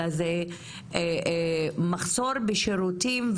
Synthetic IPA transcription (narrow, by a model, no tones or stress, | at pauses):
aze | maχso̞ɾbeʃeɾutimv